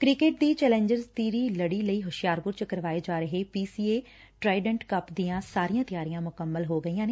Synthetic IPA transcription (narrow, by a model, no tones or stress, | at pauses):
kɾɪkeːʈ̚d̪iːt͡ʃɛːlɛ̃ːɲd͡ʒəɾzt̪iːɾiːləɽiːləiːɦʊʃɪjaːɾpʊɾt͡ʃəkəɾʋaːeːd͡ʒaːɾəɦeːpiːsiːeː | ʈɾaːɪɖəɳʈkəpd̪ijãːsaːɾijãːt̪ɪjaːɾijãːmʊkəmːəlɦoːɡəiːjãːneː